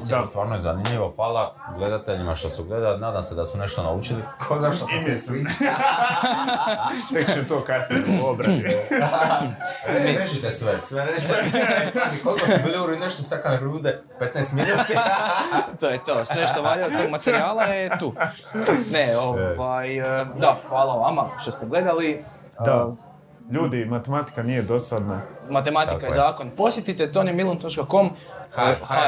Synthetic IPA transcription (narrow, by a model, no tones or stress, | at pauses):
est̪ʋaːɾnojeza̰nimʎiʋofaːlˠa | ɡle̞d̪at̪eʎimaʃt̪osuɡle̞d̪alinaːd̪amsed̪asune̞ʃt̪ona̰ut͡ʃilikʰozaʃt̪osmisʋit͡ʃ | t̪ekt͡ʃemt̪oːkasniobɾai | eʒit̪esʋesʋeɾeʃazikolikkosubilˠiuɾuineʃt̪osakanekouːd̪e | pet̪nɛjst̪minuːt̪i | t̪oːjet̪oːsʋe̞ʃt̪o̞ʋaʎajot̪oɡmat̪eɾiaːlˠajet̪u | neoʋajd̪axʋaːlˠaʋamaʃt̪o̞st̪eɡle̞d̪ali | d̪a | ʎuːd̪imat̪emat̪i̥kanijed̪o̞sad̪namat̪e̞mat̪ikajezaːko̞npo̞sjet̪it̪et̪onjemilˠont̪o̞t͡ʃkako̞m